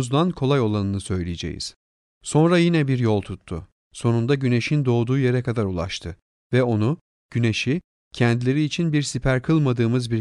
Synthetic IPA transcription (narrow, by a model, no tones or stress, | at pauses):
zd̪ankʰo̞lˠajo̞lˠanɯnɯsø̞jlʲijed͡ʒḛjḭz̥ | so̞nɾajinɛbiɾjo̞lˠt̪ʰut̪ʰːʊ̰ | so̞nund̪aɟyne̞ʃind̪o̞ːd̪uːje̞ɾɛkad̪aɾulˠa̰ʃt̪ʰɯ | vɛo̞nu | ɟ̥yne̞ʃi | cʰɛnd̪ilʲe̞ɾiːt͡ʃʰinbiɾsipʰæɾkʰɯlˠmad̪ɯːmɯzbiɾ